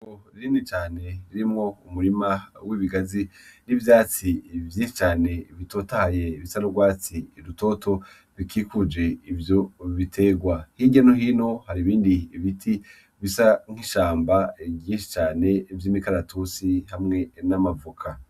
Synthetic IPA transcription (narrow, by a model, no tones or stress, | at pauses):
koɾiɾiːndit͡ʃaːne̞ɾiɾimŋo̞umuɾimawiːβiɡazinivjaːt͡sivjiːnʃi̥t͡ʃaːne̞βito̞tahaje̞βisanuɡwaːt͡siɾuto̞to̞ | βikikud͡ʒe̞ivjo̞βitʰe̞ɡwahiɟanoɦino̞haɾiβiːndiβitʰi | βisaŋ̥hiʃaːmbaɟĩːnʃi̥t͡ʃaːne̞vjiːmikaɾatʰusihamŋe̞namavukʰa